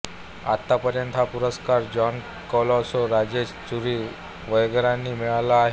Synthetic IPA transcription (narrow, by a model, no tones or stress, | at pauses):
a̰t̪ːapəɾjənt̪ɦapuɾəskaɾd͡ʑɔn | kɔlɔsoɾad͡ʑest͡suɾiː | ʋəjɡɾãnːiːmɛɭalaːɦe